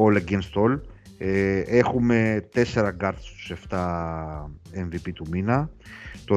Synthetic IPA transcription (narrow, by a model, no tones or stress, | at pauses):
oleɡenst̪ol | exumet̪e̞se̞ɾɐɡaɾt̪st̪u̥seft̪a | envipit̪uminɐt̪o